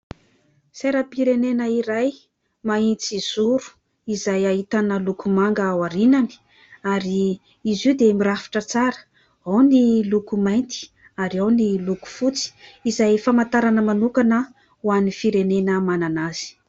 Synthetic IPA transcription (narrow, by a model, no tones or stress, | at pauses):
seɾəpiɾenenəiɾaj | maint͡siz̥uɾu̥ | izajait̪anəlukumaŋɡəwaɾinani̥ | aɾi | izid̪emirafi̥ʈ͡ʂət͡saɾə̥ | awnilukumajnt̪i̥ | aɾiawniluku̥fut͡si̥izajfamant̪aɾanəmanukanə | uanifiɾenenəmananaz̥i̥